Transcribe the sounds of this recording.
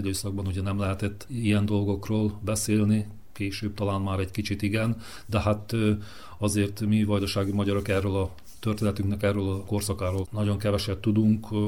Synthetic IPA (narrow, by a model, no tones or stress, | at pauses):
id̪øːsɒɡ̚bɒnuɟɛnɛmlɛɦɛt̪ɛt̪ːijɛnd̪o̞lɡo̞kroːlbɛseːlni | keːʃøːb̚t̪ɒlaːnmaːɾɛɟkit͡ʃit̪iɡɛn | d̪ɛhat̪ | ɒzeːrt̪mivɒjd̪oʃaːɡimɒɟɒɾokɛrːøːlɒ | t̪ørt̪eːnɛt̪yŋknɛkɛrːøːlɒko̞rsɒkaːɾoːlnɒɟo̞ŋkɛvɛʃɛb̚t̪ud̪uŋk